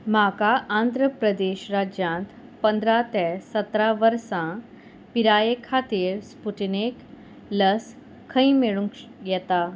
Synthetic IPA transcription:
m̤akaʔãnd̪ʱɾəpɾəd̪eɕɾad͡ʑjãnt̪ | pənd̪ɾat̪ɛsət̪ɾaʋəɾsã | piɾajekʰat̪iːɾspuʈnek | ləs | kʰːə̃ĩmeɭũkjɛt̪a

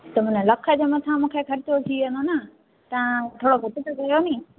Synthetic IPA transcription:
t̪ɐmʊ̃nəlɐkʰəd͡ʑomɐt̪ʰãmũːkʰekʰɐɾɪt͡ɕot̪ʰiɐnd̪onə | t̪ɐãt̪ʰoːɽobʱʊt̪ɪt̪okɐjonĩː

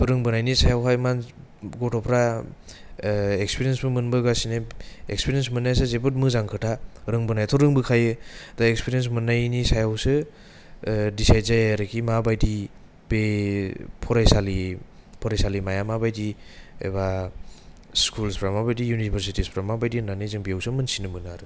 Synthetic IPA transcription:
ɾɯŋbɯnajnisajawɦajman | ɡɔtʰɔpʰɾa | ekspiɾijensbɯmɯnbɯɡasineekspiɾiens̬mɯnːajas̬ɯzebɯt̬̚mɯzaŋkʰɯtʰaɾɯŋbɯnajtʰɔɾɯŋbɯkʰajɯd̥aekspiɾijens̬mɯnːajnisajawsɯ | disajzajaɾɯkʰimabajdi | be | pʰɔɾajsali | pʰɔɾajsalimajamabajdiḛba | skulspʰɾamabajdijunibʰʱəɾsitispʰɾamabajdinanizɯŋbijawsɯmɯnsinɯmɯnaɾɯ

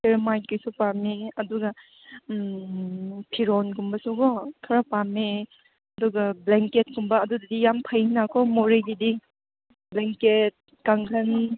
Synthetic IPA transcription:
pʰeɾmajnkɯjsupameɐduɡɐ | pʰiɾɔnɡumbɐsuɡɔkʰɐɾapame | ɐduɡɐbleŋket̚ɡumbɐːdudɐdijampʰɐjnakʰomoɾeɡidi | bleŋket̚ | kaŋkʰɐn

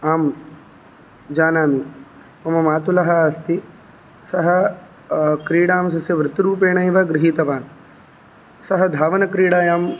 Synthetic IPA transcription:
aːm | d͡ʒaːnaːmi | mɐmɐmaːt̪ulɐɦɐaːst̪ʰi | sɐɦɐ | kɾiːɽaːmsɐsɐʋɾɪt̪ɾuːpeːɳɐjʋɐɡɾɪɦiːt̪ɐʋaːn | sɐɦɐd̪ʱaːʋɐnɐkɾiːɽaːjaːm

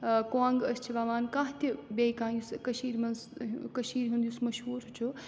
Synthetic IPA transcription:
kõãŋɡɐst͡ʃʰiʋaːʋaːnkãɦt̪ʲibejkãːjuskɐʃiːɾmɐnskɐʃiːɾɦũnd̪jusmɐʃɦuːɾɦut͡ʃʰu

